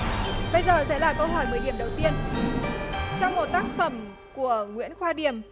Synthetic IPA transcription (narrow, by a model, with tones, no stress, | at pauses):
ɓə˧jzəː˨˩sɛ̰˧˥laː˨˩kə˧wɦɔ˨˩jməː˨˩jɗi˨˩əmɗə˨˩wt̪i˧ən | t͡ɕɔ˧wŋ͡mmo˨˩t̚t̪aː˦˥k̚fə˧˩m | ku˧˩əŋwḭ˧˥ənxwaː˧ɗi˨˩əm